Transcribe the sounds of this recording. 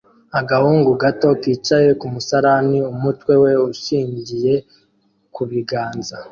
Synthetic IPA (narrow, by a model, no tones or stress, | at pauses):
aɡahuːŋɡuɡato̞kiːt͡ʃaje̞kumusaɾaniumutwe̞we̞uʃiːɲɟije̞ | kuβiɡaːnza